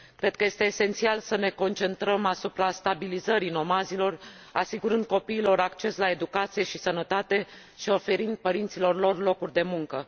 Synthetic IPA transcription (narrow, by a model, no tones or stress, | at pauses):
kɾe̞d̪̚kəje̞st̪e̞ːse̞nt̪sialsəne̞ko̞nt͡ʃe̞nt̪ɾəmasupɾast̪abilizəɾino̞mazilo̞r | asiɡuɾɨnd̪̚ko̞piːlo̞ɾakt͡ʃe̞slae̞d̪ukat̪sije̞ʃisənət̪at̪e̞ | ʃio̞fe̞ɾind̪̚pəɾint̪silo̞rlo̞rlo̞kurʲd̪e̞muŋkə